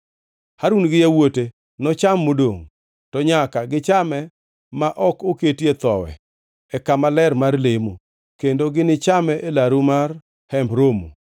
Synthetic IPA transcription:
haɾunɡɪjawote | nɔt͡ʃamːodo̰ŋ | tɔɲakaɡɪt͡ʃamɛ | maʔɔkoketjet̪ɔwɛ̰ | ɛkamalɛrmarlemu | kendoɡɪnɪt͡ʃamɛʔelaɾumar | hɛmbɾomṵ

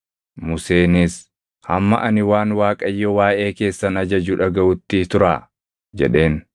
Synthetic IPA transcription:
mʊse̞ːnɪs | hɐmːɐʔɐnɪwaːnwaːkʼɐjːɔwaːʔe̞ːke̞ːsːɐnɐd͡ʒɐd͡ʒuːᶑɐɡɐʔʊt̪ːit̪ʊɾaː | d͡ʒɛ̰ᶑe̞ːn

